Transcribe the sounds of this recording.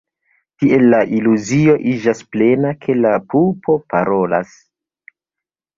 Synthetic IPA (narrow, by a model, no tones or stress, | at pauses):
tiʔe̞lːaʔiluzio̞ʔid͡ʒasple̞nakʰe̞lapupʰo̞paɾo̞la̰s